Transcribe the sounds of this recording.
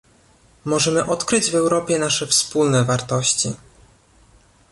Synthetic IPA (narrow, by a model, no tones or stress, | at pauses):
mɔʐɛmɘʔɔt̪kɾɘd͡ʑvɛwɾɔpʲjɛnaʂɛfspulnɛvaɾt̪ɔɕt͡ɕi